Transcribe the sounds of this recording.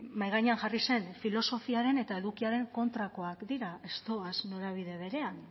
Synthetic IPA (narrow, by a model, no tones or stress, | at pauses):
majɣaɲeaŋʝarise̞nfilo̞so̞fiaɾe̞ne̞t̪ae̞ðukiaɾe̞ŋko̞nt̪ɾako̞akd̪iɾae̞st̪o̞azno̞ɾaβ̞iðe̞β̞e̞ɾe̞an